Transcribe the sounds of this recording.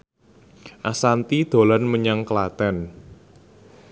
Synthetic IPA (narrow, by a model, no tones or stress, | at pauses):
ʔasant̪id̪̥o̤lanməɲaŋkəlat̪ɛn